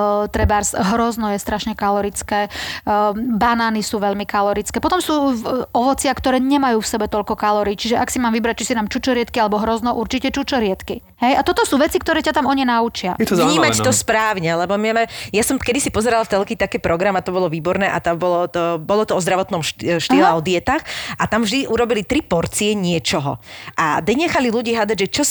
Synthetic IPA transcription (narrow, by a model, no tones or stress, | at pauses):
t̪ɾɛbaɾsɦɾɔznɔjɛst̪ɾaʃɲɛkalɔɾit͡skɛː | banaːnisuːʋɛʎmikalɔɾit͡skɛːpɔt̪ɔmsuːɔʋɔt͡sɪakt̪ɔɾɛːɲɛmajuːfsɛbɛt̪ɔʎkɔkalɔɾiːt͡ʃiʒɛʔaksimaːmʋibɾac̚t͡ʃisinaːmt͡ʃut͡ʃɔɾɪɛt̪kialɛbɔɦɾɔznɔʔuɾt͡ʃicɛt͡ʃut͡ʃɔɾɪɛt̪ki | ɦɛjʔat̪ɔt̪ɔsuːʋɛt͡sik̚t̪ɔɾɛːcat̪amɔɲɛnaut͡ʃɪavɲiːmat̪ɔspɾaːwɲɛlɛbɔmɛmɛjasɔmkɛd̪isipɔzɛɾalaft͡sɛlkiːt̪akɛːpɾɔɡɾamat̪ɔbɔlɔʋiːbɔɾnɛːʔa̰t̪abɔlɔɔbɔlɔt̪ɔɔzd̪ɾaʋɔt̪nɔmʃʃt̪iːlɛɔd̪ɪɛt̪axʔat̪amvʒd̪iʔuɾɔbilit̪ɾipɔɾt͡siɛɲɪɛt͡ʃɔɦɔ̰ʔad̪ɛɲɛxaliluɟiːɦad̪aɟʒɛt͡ʃɔ